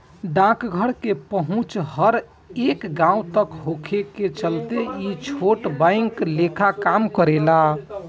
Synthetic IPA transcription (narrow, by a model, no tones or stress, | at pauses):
ɖãkɡʱəɽkepəɦũt͡ʃhəɾ | eːkɡãũt̪əkɦokʰeket͡ʃəlt̪eit͡ʃʰoʈbãɪŋklekʰakaːmkəɾela